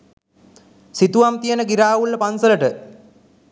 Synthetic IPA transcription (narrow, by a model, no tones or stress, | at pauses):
sit̪uʋamt̪ijənəɡiɾaːʋulːəpansələʈə